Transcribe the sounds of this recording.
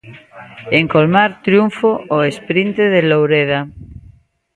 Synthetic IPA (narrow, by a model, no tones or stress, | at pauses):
eŋkolmaɾt̪ɾjuɱfoʔoespɾint̪eðelowɾeða